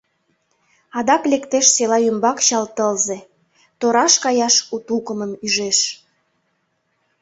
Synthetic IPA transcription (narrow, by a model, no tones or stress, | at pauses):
ɑd̪ɑklekt̪eʃselɑymbɑkɕɑlt̪əlze | t̪oɾɑʃkɑjɑʃut̪ukəməmyʒeʃ